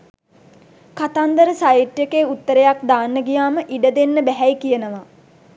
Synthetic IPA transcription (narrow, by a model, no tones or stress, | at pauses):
kat̪and̪əɾəsajiʈjəkeut̪ːəɾejakd̪aːnːəɡijaːməʔiɖəd̪enːəbæɦɛjkijənəʋa